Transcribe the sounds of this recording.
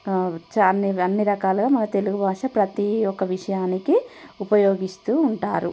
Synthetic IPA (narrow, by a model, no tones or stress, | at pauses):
t͡ʃɐnːiɐnːiɾɐkaːluɡaːmɐnɐt̪e̞luɡubʱaːʂɐpɾɐt̪iɔkːɐʋiʂɐjaːnikiupɐjoːɡist̪uːuɳʈa̰ːɾṵ